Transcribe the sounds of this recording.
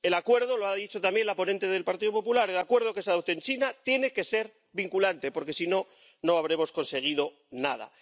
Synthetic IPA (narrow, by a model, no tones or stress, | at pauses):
e̞lakwe̞ɾð̞o̞loaðit͡ʃo̞t̪ambje̞nlapo̞nent̪eð̞e̞lpaɾt̪iðopo̞pulaɾe̞lakwe̞ɾð̞o̞kesaðot̪oent͡ʃinat̪je̞ne̞ke̞se̞ɾ | βiŋkulant̪e̞po̞ɾke̞sino̞ | no̞aβ̞ɾe̞mo̞sko̞nse̞ɣ̞iðo̞ | nað̞a̰